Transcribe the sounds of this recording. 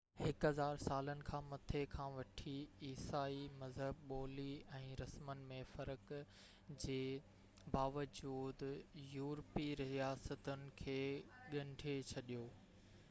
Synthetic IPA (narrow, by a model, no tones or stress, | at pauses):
hɪkɦɐzaːɾsaːlənɪ̆kʰãːmɐt̪ʰekʰãːʋɐʈʰiiːsaːimɐzɦəbɓɔːliɛ̃ːɾɐsmənɪ̆mẽfɐɾək | d͡ʑeː | baːʋəd͡ʑuːd̪juːɾpiɾiijaːsət̪ənɪ̆kʰeːɠɐ̃ɳɖʱet͡ɕʰɐɗijoː